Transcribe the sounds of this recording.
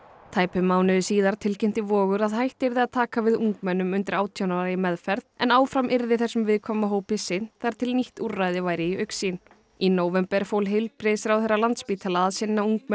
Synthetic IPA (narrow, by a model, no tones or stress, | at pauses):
t̪ʰaːjpɪmaːwnɪðʏsiːðaɾ̥t̪ʰɪlcɛm̥t̪ɪvɔːɣʏɾaðhajht̪ɪɾðɪaðt̪ʰaːkavɪðuŋkmɛnːʏmʏnt̪ɪɾaːwt̪ʰjownaɾajɪmɛðfɛɾðɛ̰naːwfɾamʔɪɾðɪθɛsːʏmvɪðkʰɔmaɦoːwpɪsɪnθaɾ̥t̪ʰɪlniht̪urːajðɪvaːjɾɪiœɥksin | inoːwvɛmpɛɾ̥foːwlɦɪlpɾɪsɪɾawθejrːalant̪spiːt̪ʰalaaðsɪnːauŋk̚mɛ